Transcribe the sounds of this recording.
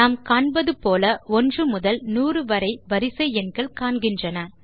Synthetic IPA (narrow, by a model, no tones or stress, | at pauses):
naːmkaːɳbɐðɯpoːlɐɔndrɯmʊðɐlnuːrɯʋɐɾɐɪʋɐɾɪsɐɪɛnɡɐɭkaːɳɡɪndrɐnɐ